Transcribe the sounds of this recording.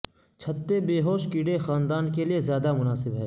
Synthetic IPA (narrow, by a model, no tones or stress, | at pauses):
t͡ʃʰɐt̪ːebeːɦoːʃkiːɽexaːnd̪aːnkeliezjaːd̪amʊnaːsɪbɦɛː